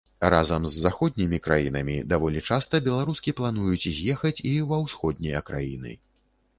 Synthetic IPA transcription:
razɐmzːaxɔd̪ʲnʲimʲikɾajinɐmʲḭd̪avɔlʲit͡ʂast̪ɐbʲɛlˠaɾuskʲiplˠanujut͡sʲizʲjɛxɐt͡sʲivɐwsxɔd̪̚ʲnʲɐjɐkɾa̰jinɨ̰

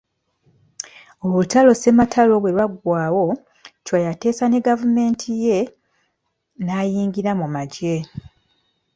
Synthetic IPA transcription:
oβutalo̞se̞matʰalo̞βwe̞ɾwaɡwaːwo̞ | cwajate̞ːsane̞ɡavume̞ːntʰije | naːjiːŋɟiɾamumaɟe

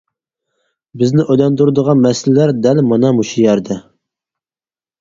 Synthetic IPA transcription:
bɪznɪʔøjlɑnd̪uɾɨd̪əʁɑnmɛsɪllæɾd̪ælmɑnɑmuʃujɛɾd̪ɛ

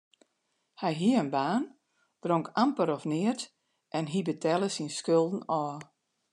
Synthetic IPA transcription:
hɛjɦiəənbaːn | d̥roŋkampəɾɔfnɪət | ʔɛnɦibətʰɛlˠəsinskølˠdn̩ɔː

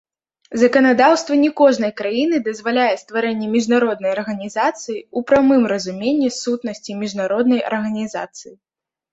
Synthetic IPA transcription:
zɐkɐnad̪awst̪vɐnʲɛkɔʐnɐjkɾajinɨd̪ɐzvalʲajɛst̪vaɾɛnʲːɛmʲiʐnaɾɔd̪̚nɐjɐrɣɐnʲizat̪sɨjiupɾamɨmrɐzumʲenʲːisut̪nɐsʲt͡sʲimʲiʐnaɾɔd̪nɐjɐ̰rɣɐnʲiza̰t̪sɨji

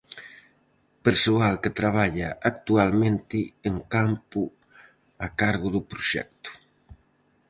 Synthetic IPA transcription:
peɾsualket̪ɾaβ̞aʎaʔak̚t̪ualmẽnt̪ɪeŋkampu | akaɾɣʊðʊpɾuʃɛ̰k̚t̪u̥

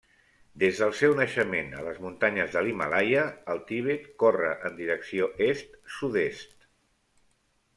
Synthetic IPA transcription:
d̪ezðəlˠsɛwnəʃəmenə̰ləzmunt̪aɲəzðəlimalajəːlˠt̪iβ̞et̪korəʔənd̪iɾəksioʔest̪suðest̪

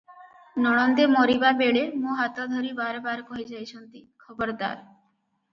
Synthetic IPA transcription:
nɔɽ̃ɔnd̪emoɾibabeɭemũɦat̪ad̪ʱoɾibaɾbaɾkɔɦed͡ʑajt͡ɕʰɔnt̪ikʰɔbɔɾd̪a̰ɾ

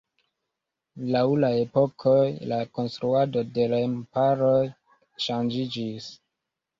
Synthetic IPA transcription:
lawlae̞po̞kʰo̞jlako̞nst̪ɾuado̞de̞lampaɾo̞j | ʃand͡ʒid͡ʒis

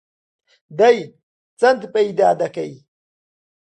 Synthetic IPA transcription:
d̪ɐj | t͡sɐnt̪pʼɐjd̪aːd̪ɐkɐj

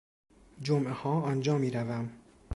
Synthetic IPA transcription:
d͡ʒomʔehɒːɒnd͡ʒɒːmiːɾævæm

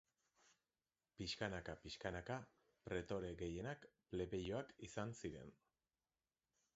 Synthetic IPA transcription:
piskanakapiʃkanaka | pɾe̞t̪o̞ɾe̞ɣe̞je̞nakple̞βe̞jo̞akisansiɾe̞̰n

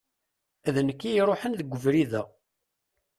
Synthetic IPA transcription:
æðnəkːijɾˤoħənðəɡʷːəvɾiðæ

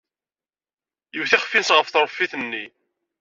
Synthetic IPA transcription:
jəwθiχfːinsʁəfθɾˤfːiθnːi

